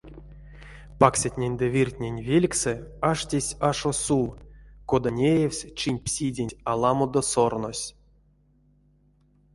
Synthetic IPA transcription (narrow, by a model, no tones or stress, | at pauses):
paksʲat̪ʲnʲenʲd̪ɛvʲirtʲnʲenʲvʲelʲksɛaʂtʲesʲaʂosukod̪anʲejewsʲt͡ʃinʲpsʲidʲenʲalˠamod̪osornosʲ